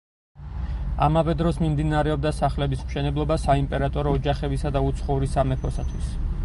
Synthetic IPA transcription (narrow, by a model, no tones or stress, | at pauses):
amavɛd̪ɾɔsmimd̪inaɾɛɔb̚d̪asaχlɛbismʃɛnɛblˠɔbasaimpʼɛɾat̪ʼɔɾɔːd͡ʒaχɛbisad̪aut̪sʰχɔuɾisamɛkʰɔsat̪ʰwis